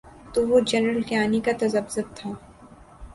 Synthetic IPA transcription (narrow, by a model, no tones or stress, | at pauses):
t̪uʋod͡ʒɐnɾəlkjaːnikat̪ɐzɐbzəb̚t̪ʰaː